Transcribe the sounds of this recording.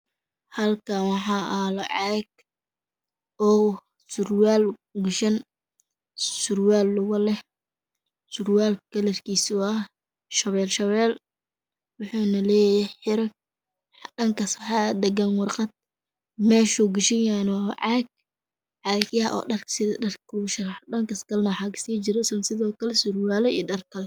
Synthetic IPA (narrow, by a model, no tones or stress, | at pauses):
hɐlkʰawɑħɑːʔalɔʕɑːɡ̚ | ɔː | sʊrwaːlɡʊʃɐn | sʊrwaːlːʊɣɐlɛ | sʊrwaːlkʰɐlɐrkʰiːsʊɐ | ʃɐβɛːlʃɐβɛːl | wʊħuːnɐlɛːjjɛħɪɾɐk̚ | dɐŋkʰɐsħɑːd̪ɐɡɐnwɑrqɑd̪̚ | mɛːʃʊɡʊʃɪjanwʕɑːɡ̚ | ʕɑːkjɐʔɔ̰ːɖɐrksɪdɐrkʊʃɐɾħɗɐŋkɐskɐlnɐwħɑːkʰɐ̥siːt͡ʃɪɾɛsnsɪðɔːkʰɐlɛsʊrwaːlɛiːdɐrkʰɐl